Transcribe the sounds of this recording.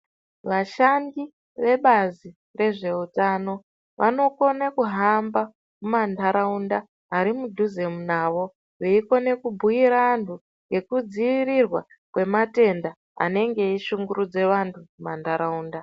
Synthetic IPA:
ʋaʃaŋɡi | ʋe̞ɓazi | re̞ʐe̞utano̞ | ʋʔa̰no̞ko̞nekuɦamba | mumandʱaɾaundaː | ɾimudʱuzemunaʋo̞ | ʋeiko̞ne̞kubʱuiɾaːntʰu | ŋɡe̞kud͡ziʋirirwa | kwe̞mate̞nda | a̰ne̞ŋɡe̞iʃuŋɡuɾud͡ze̞ʋantʰumumandʱaɾauːnda

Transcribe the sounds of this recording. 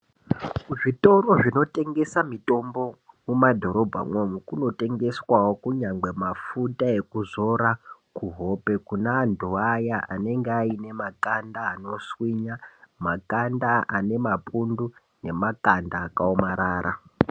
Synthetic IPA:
kuʐito̞ɾo̞ʐino̞tʼe̞ŋɡe̞samito̞mbo̞mumadʱo̞ɾo̞bʱa̰ŋwomukuno̞te̞ŋɡe̞swawokuɲaŋɡ͡be̞mafutae̞kuzo̞ɾakuɦo̞pe̞kunaːndʱuajaʔa̰ne̞ŋɡeaine̞makandaːno̞swiɲamakandaane̞mapʰundu | ne̞makandaːkaomaɾaːɾa̰

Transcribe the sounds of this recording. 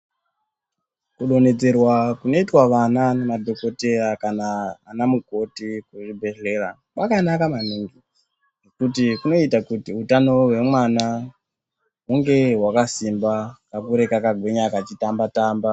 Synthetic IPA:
kuɗo̞ne̞d͡ze̞rwakuno̞itwaʋananemadʱo̞ko̞te̞rakana̰ːnamuko̞tikuʐibʱe̞ɬe̞ra | ʋakanakamaniŋɡi | nekutikuno̞itakutiutano̞ɦwe̞mwana | ɦuŋɡe̞wakasimbakakuɾe̞kakaɡʱwe̞ɲakat͡ʃitambataːmba

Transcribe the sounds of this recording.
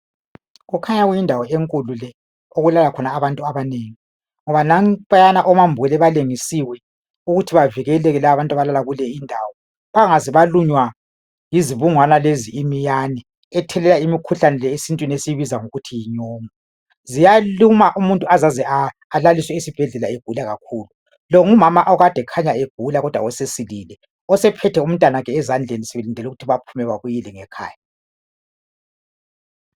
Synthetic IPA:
ɣukʰaɲaɣujindʱawɔeŋkʼululɛ | oɣulalakʰɔnaːβantʼuaβaneːŋi | ŋɔβanaŋβʼajanaʔɔmambʱɛlɛβaleŋisiwɛ | uɣutʰiβaviɣɛlɛɣɛlaaβantʼaβalalaɣulɛindʱaːwɔ | βaŋaziβaluɲwa | jiziβuŋwanaleziimijanɛː | tʰɛlɛlaimikʰuɬanɛlɛesintʼwinesijiβizaŋoɣutʰijiɲɔːmɔ | zijalumaʔumuntʼuazazɛaː | laliswɛisib̥ʱɛɮɛlaeɡ̥ʱulaɣakʰuːlu | lɔŋumamaʔɔɣad̥ʱɛkʰaɲaeɡ̥ʱulaɣɔd̥ʱwa̰wɛsesililɛ | ɔsɛpʰɛtʰɛum̩tʼwanaɣɛːzand͡ɮʱenisɛβelindʱɛluɣutʰiβapʰumɛɣwaɣujilɛŋɛkʰa̰ːja

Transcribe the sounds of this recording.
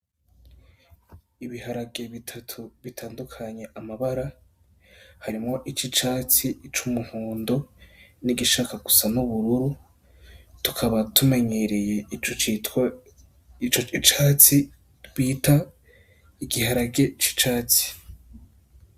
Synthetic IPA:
iβihaɾaɡe̞βitʰatʰuβitʰaːndukʰaɲe̞ʔamaβaɾa | haɾimŋo̞ʔit͡ʃit͡ʃaːt͡sit͡ʃumuŋ̥uːndo̞niɡiʃaːkaɡ̥usanuβuɾuɾu | tu̥kʰaβatume̞ɲe̞ɾe̞je̞ | t͡ʃoit͡ʃaːt͡si | wiːta | iɡihaɾaɡe̞t͡ʃi̥t͡ʃaːt͡si̥

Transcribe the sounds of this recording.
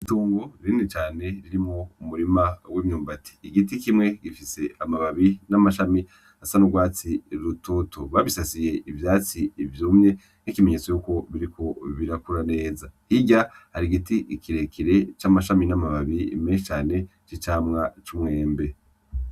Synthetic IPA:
ituːŋɡoɾiːnit͡ʃaːne̞ɾiɾimoumuɾimawimɲuːmbati̥ːɡitikimŋe̞ɡifise̞amaβaβinamaʃami | asanuɡwaːt͡siɾututoβaβisasije̞ʔivjaːt͡siːvjuːmɲe̞ | nikime̞ɲe̞t͡so̞juːko̞βiɾikʰo̞βiɾakuɾane̞ːzahiɟa | haɾiɡitikʰiɾe̞kʰiɾe̞t͡ʃamaʃaminamaβaβimeʃit͡ʃaːne̞ | t͡ʃit͡ʃaːmŋat͡ʃumŋe̞ːmbe̞

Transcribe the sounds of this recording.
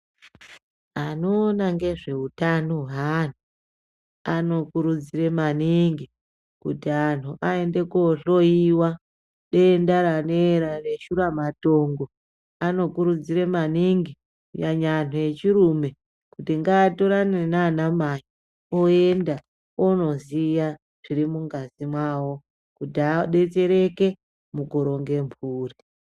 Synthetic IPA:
anoːnaŋɡe̞ʐe̞utano̞ɦan̤u | ano̞kuɾud͡ziɾe̞maniŋɡi | kutian̤uʔae̞nde̞koɬoiwa | ɗe̞ːndaɾaneɾare̞ʃuɾamato̞ːŋɡo | ano̞kuɾud͡ziɾemaniŋɡi | jaɲan̤oje̞t͡ʃiɾume̞ | kutiŋɡaːto̞ɾanenaːnamaji | oenda | ono̞zija | ʐ̥iɾimuŋɡazimwaːwo̞ | kutiaɗe̞t͡se̞ɾe̞ke̞ | muɡoɾo̞ŋɡe̞mpʰuːri

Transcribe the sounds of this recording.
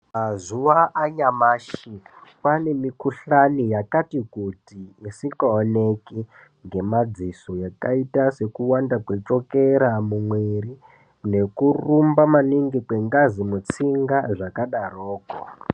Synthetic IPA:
mazuʋaʔaɲamaːʃipane̞mikuɬanijakatikutiisikaoneki | ŋɡe̞mad͡zisojakaitase̞kuwandakwet͡ʂokeɾamumweɾi | ne̞kurumbamaniŋɡikwe̞ŋɡazimut͡siŋɡaʐakaɗaroːko̰

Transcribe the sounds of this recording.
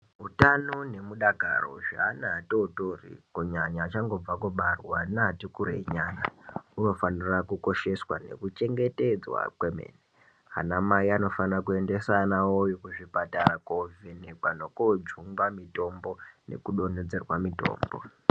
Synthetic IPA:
ɦutanone̞muɗaɡʱa̰ro̰ʐa̰ːnaːtotorḭkuɲaɲaːt͡ʃaŋɡo̞b͡vakuɓarwanaatikuɾḛɲaːnauno̞fanirakuko̞ʃe̞swa̰ne̞̰kut͡ʃe̞ŋɡe̞te̞d͡zwa̰kwemḛːne | ɦa̰namaiano̞fanakue̞nde̞sanawojokuʐipatarakovenekwanokod͡ʒuŋɡamito̞mbo̞ne̞̰kuɗo̞ned͡ze̞rwamito̞̰ːmbo̞̰

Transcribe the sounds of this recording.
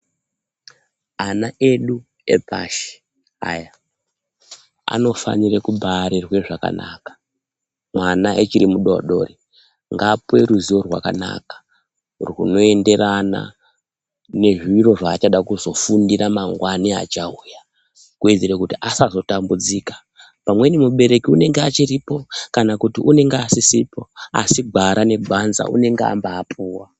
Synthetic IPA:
anaeɗu | ḛbʱa̰ʃi̥ | a̰ja | a̰no̞fa̰nirekubʱaɾirwe̞ʐaka̰na̰kḁ | mwanaet͡ʃiɾimuɗo̰ɗore | ŋɡape̞ɾuziwo̞rwa̰ka̰na̰kḁ | runo̞e̞nde̞rana̰ | ne̞ʐiiɾo̞ʐaːt͡ʃaɗakuzo̞fundiramaŋɡwania̰t͡ʃauja | kued͡zeɾekutiʔasazo̞tambud͡ziːkḁ | pamwe̞nimuɓe̞ɾe̞kiune̞ŋɡeat͡ʃiripo̞kanakutiʔune̞ŋɡeasisipo̞a̰siɡʱaɾane̞ɡʱanza̰ʔṵne̞ŋɡea̰mbaːpʰuːwa

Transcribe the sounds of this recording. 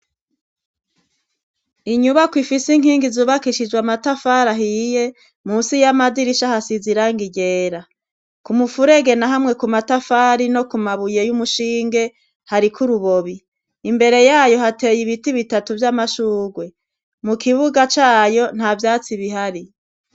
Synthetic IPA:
iɲuβakwifisiŋ̥hiːŋɡizuːβakiʃid͡ʒɡwamatafaɾaɦije̞ | musijamaziɾiʃahasiziɾaŋɡiɟe̞ːɾa | kumufuɾe̞ɡe̞naɦamŋe̞kumatafaɾino̞kumaβuje̞jumuʃiːŋɡe̞ | haɾikʰuɾuβo̞βiː | mbe̞ɾe̞jaːjo̞ɦate̞jiβitiβitatuvjamaʃuːɡwe̞ | mukʰiβuɡat͡ʃaːjo̞n̥havjaːt͡siβiɦaɾi

